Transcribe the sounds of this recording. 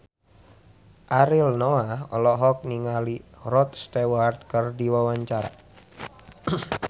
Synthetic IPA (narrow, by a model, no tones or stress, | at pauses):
ʔaɾɪlnoaɔlɔɦɔk̚niŋalirɔt̪̚st̪ewart̪̚kərdiwawaɲt͡ʃaɾa̰